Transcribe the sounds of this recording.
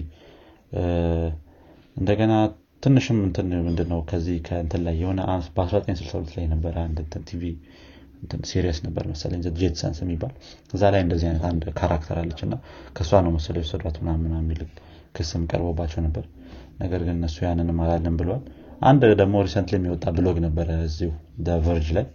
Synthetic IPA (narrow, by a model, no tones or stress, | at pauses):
ʔɨnd̪əɡəna | t̪ʰɨnːɨʃɪmːɨnt̪ʰɨnmɨnd̪ɨnːəwkʰəzːihkʰəɨnt̪ʰɨnlːajːɛho̞nəʔabəasɾat̪ʼəɲsɨlsəwulət̪lajːnəbːəɾəand̪ɨnt̪ʰɨnt̪ʰivi | ɨnt̪ʰɨnsiɾijəsnəbːə̰ɾməsə̰lə̰ɲzəd̪d͡ʒet̪sə̰nsjɛmːibːal | ɨzːalajɨnd̪əzːihajnət̪and̪kʰaɾʔakt̪ʰəɾalːət͡ʃːɨnːakʰəsuanəwməsələwosəd̪at̪unamːɨnamːilɨk | kʰːɨsɨmkʼə̰ɾbəbːat͡ʃːɛwnəbːəɾ | nəɡəɾɡɨnɨnːəsːujanːɨnɨmalalːəmbɨləwal | ʔa̰nd̪d̪əɡmo̞ɾisənt̪lɛmːiwɔt̪ʼːabɨlo̞ɡnəbːəɾəɨzːihud̪əvɨɾd͡ʒlaj